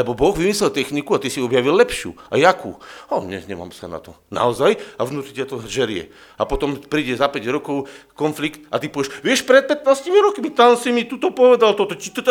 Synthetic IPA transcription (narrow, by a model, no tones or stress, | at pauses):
lɛbɔbɔɣʋimislɛlt̪ɛxnikuat̪isiɔbjaʋilːɛpʃɪṵːajakṵːɔɲɛ̰ɲɛ̰ma̰ːmsana̰t̪ɔ | na̰ɔzajavnuːt̪ɾitɛt̪ɔʒɛɾɪɛ̰ | apɔt̪ɔmpɾiːɟɛzapɛɟɾɔkɔʊkɔnflikt̪at̪ipɔʋɛʃʋɪɛʃpɾɛt̪̚pɛt̪naːscimiɾɔkmit̪ansimit̪ut̪ɔpɔʋɛd̪alt̪ɔt̪ɔt͡ʃit̪ɔt̪